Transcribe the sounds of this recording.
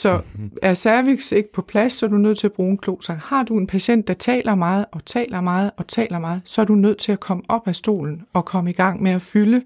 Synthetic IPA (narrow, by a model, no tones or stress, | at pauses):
sɒ̽æɐsæɐʋiɡ̥se̝ɡ̥əpʰɒ̽pʰlæsːɒɐd̥unøð̞̰ˠt͡sʰe̝læb̥ʁuːenkʰlo̝̰ːsɑhɑ̈d̥ue̝npʰæɕen̰d̥ːɑ̈t͡sʰɛ̰ːlɐmɑ̈ːð̞̩ˠɒ̽t͡sʰɛ̰ːlɐmɑ̈ːð̞̩ˠɒ̽t͡sʰɛ̰ːlɐmɑ̈ːð̞̩ˠsɒ̽æɐdunøð̞̰ˠt͡sʰe̝lækʰɒ̽məɒ̽b̥æsd̥o̝̰ːln̩ɒ̽kʰɒ̽məiɡ̥ɑ̈ŋ̰meæfylə